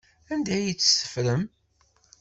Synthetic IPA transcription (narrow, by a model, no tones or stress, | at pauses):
ænd̪æjit͡sːə̥sə̥fɾəm